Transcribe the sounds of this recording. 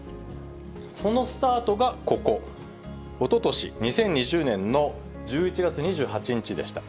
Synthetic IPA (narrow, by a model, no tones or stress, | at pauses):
so̞no̞sɨ̥t̪aːt̪o̞ɡako̞ko̞ | ot̪o̞t̪o̞ɕḭɲ̟isẽ̞ɲ̟ːiʑɨːnẽ̞nːo̞ | d͡ʑɨːit͡ɕiɡat͡sɨɲ̟iʑɨːɦat͡ɕiɲ̟it͡ɕid̪e̞̰ɕi̥t̪ḁ